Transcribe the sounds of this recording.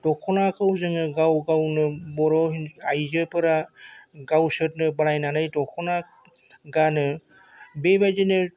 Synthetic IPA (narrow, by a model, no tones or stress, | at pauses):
tɔkʰɔnakʰɯwzɯŋɯɡawɡawnɯbɔɾɔɦinajd͡ʒɯpʰɯɾaɡawsɯt̚nɯbaɽajnanɯjtɔkʰɔna | ɡanɯ | bebajzinɯ